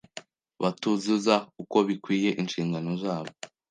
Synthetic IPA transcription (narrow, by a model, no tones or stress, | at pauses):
βatuzuzauko̞βikwiːje̞ʔinʃiːŋɡano̞zaːβo̞